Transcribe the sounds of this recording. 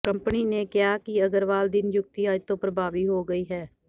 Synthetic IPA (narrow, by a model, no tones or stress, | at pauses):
kə̃mpəninẽːkɪjaːkiəɡəɾʋaːld̪ɪnd͡ʒʊk̚t̪iaːd͡ʒt̪õːpɾəbʱaːʋiːɦoːɡəiːɦɛː